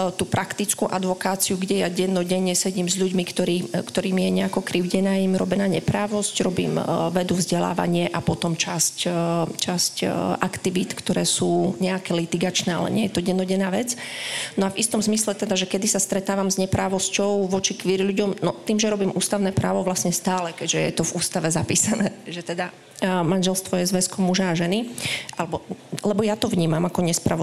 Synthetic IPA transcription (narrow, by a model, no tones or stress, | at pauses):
t̪uːpɾʔakt̪it͡skuʔad̪ʋɔkaːt͡siuɡɟɛjaɟɛnːɔɟɛɲːɛsɛɟiːmzʎuɟmikt̪ɔɾiːkt̪ɔɾiːmijɛɲɛakɔkɾiʊɟɛnaːimɾɔ̰bɛnaːɲɛpɾaːʋɔscɾɔbḭːmʋɛd̪uvzɟɛla̰ːʋa̰ɲɪɛʔapɔt̪ɔmt͡ʃasct͡ʃascʔakt̪iʋit̪kt̪ɔɾɛːsuːɲɛakɛːlit̪iɡat͡ʃnɛːa̰lɛ̰ɲɪɛjɛt̪ɔɟɛnːɔɟɛnaːʋɛt͡snɔavist̪ɔmzmislɛt̪ɛd̪aʒɛkɛd̪isast̪ɾɛt̪aːʋamzɲɛpɾaːʋɔscɔʊʋɔt͡ʃikʋiɾiʎuɟɔmnɔt̪iːmʒɛɾɔbiːmʔuːst̪aʊnɛːpɾʔa̰ːʋɔʋlasɲɛst̪aːlɛkɛɟʒɛjɛt̪ɔvuːst̪aʋɛzapḭːsanɛːʒɛt̪ɛd̪a | manʒɛlst̪ʋɔjɛzʋɛskɔmːuʒaːʒɛniʔalɛbɔlɛbɔjat̪ɔʋɲiːmamakɔɲɛspɾa